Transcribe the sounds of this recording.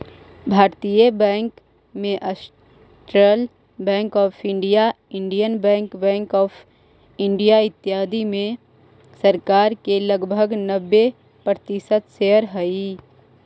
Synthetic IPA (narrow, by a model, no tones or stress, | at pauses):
bʱaːɾt̪ijəbɛ̃ːŋk | mẽʔəs | ʈɾəl | bɛ̃ːŋkɔːpʰɪ̃ɳɖijaɪ̃ɳɖijənbɛ̃ːŋkbɛ̃ːŋkɔːpʰ | ɪ̃ɳɖijaɪt̪ːjaːd̪imẽ | səɾkaːɾkeləɡbʱəɡnəbːe | pɾət̪ɪʃət̪ʃeːɦəɾɦəi